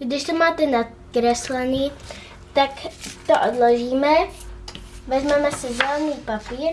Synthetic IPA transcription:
ɡd̪ɪʃt̪omaːt̪ɛnat̪̚ | kɾɛslɛniː | t̪akt̪oʔod̪loʒiːmɛ | ʋɛzmɛmɛsɪzalniːpapiːɾ

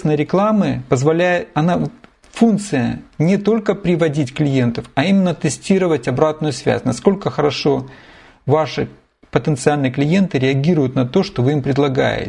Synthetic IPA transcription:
snəjəɾʲɪklˠamɨpəzvɐlʲæjɪɐna | funkt̪sɨjə̰nʲɪt̪o̞lʲkəpɾʲɪvɐdʲitʲklʲɪje̞nt̪əfɐimʲɪnːət̪ɨsʲtʲiɾəvətʲɐbɾat̪nʊjʊsvʲæ̰sʲnɐsko̞lʲkəxəɾɐʂo̞ | vaʂɨ | pət̪ənt̪sɨalʲnɨjəklʲɪje̞nt̪ɨɾʲɪɐɡʲiɾʊjʊt̪nɐt̪o̞ʂt̪ovɨimpɾʲɪd̪lˠɐɡa̰jɪ̰

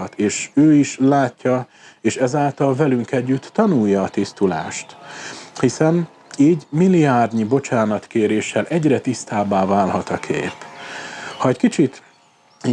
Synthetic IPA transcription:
t̪eːʃøːiʃlaːcːɒ | eːʃɛzaːlt̪ɒlvɛlyŋkɛɟːyt̪ːɒnujːɒːt̪ist̪ula̰ːʃt̪hisɛn | iːɟmilːiaːrd̪ɲibo̞t͡ʃaːnɒt̪keːɾeːʃːɛlʔɛɟrɛt̪ist̪aːbaːvaːlhɒt̪ɒkʰḛːp | hɒɛckit͡ʃit̪

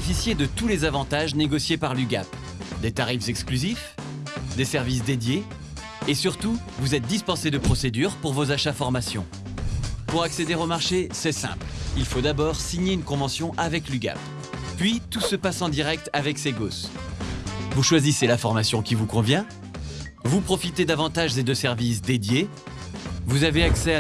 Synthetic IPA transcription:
efisjed̪ət̪ulezavɑ̃t̪aʒneɡɔsjepaʁlyɡa̰p | d̪et̪aʁifzɛksklyzif | d̪esɛʁvis̬d̪ed̪jeː | syʁt̪u | vuzɛt̪̚d̪ispɑ̃sed̪əpχɔsed̪yʁpuʁvozaʃafɔʁmasjɔ̰̃ | puʁaksed̪eʁomaʁʃesɛsɛ̰̃plilfod̪abɔʁsiɲeynkɔ̃vɑ̃sjɔ̃ʔavɛklyɡa̰p | pɥit̪usəpasɑ̃d̪iʁɛk̚t̪avɛkseɡos | vuʃwaziselafɔʁmasjɔ̃kʲivukɔ̃vjɛ̃ | vupχɔfit̪ed̪avɑ̃t̪aʒed̪əsɛʁvis̬d̪ed̪je | vuzaveaksɛa

